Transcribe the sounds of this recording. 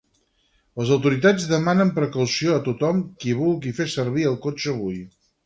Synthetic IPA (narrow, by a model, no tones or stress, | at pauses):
ləzəwt̪uɾit̪ad͡zðəmanəmpɾəkəwsioət̪ut̪ɔmkiβulˠɣifesərβiəlˠkot͡ʃəːβ̞uj